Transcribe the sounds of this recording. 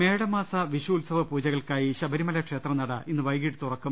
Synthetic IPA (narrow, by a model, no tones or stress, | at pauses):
me̞ːɽɐmaːsɐʋiɕuːlsɐʋɐpuːd͡ʑɐɣɐɭkaːjiɕɐbɐɾimɐlɐkʂe̞ːt̪rɐnɐɽɐinːɨʋɐjɣiʈːɨt̪urɐkːum